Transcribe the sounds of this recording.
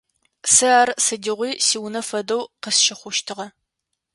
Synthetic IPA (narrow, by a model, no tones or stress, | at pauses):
sɨaːrsɨdɪʁʷiːsiːwnɐfɐdɐwqəsʃɪχʷʊʃtʰɨʁɐ